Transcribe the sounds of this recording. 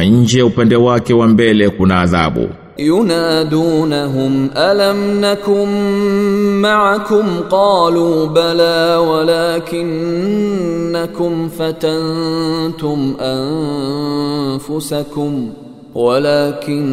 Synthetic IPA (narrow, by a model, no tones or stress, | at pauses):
ɲ̩d͡ʒɛjaupɛndɛwakɛwambɛlɛkunaːða̰ɓṵ | jʊnaːd̪uːnaɦʊmʔalamnakʊnː | aʕakʊmqɑːluːbalaːwalaːkɪn | akʊmfat̪ant̪ʊmʔan | fʊsakʊm | walaːkɪn